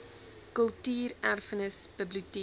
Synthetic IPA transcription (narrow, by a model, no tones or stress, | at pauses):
kəlˠtyːrærfənəsb̥əbluti